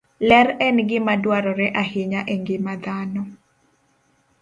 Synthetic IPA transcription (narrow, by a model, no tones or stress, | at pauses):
lɛrɛnɡɪmadwaɾɔɾɛʔahɪɲaʔeŋɡɪmad̪anɔ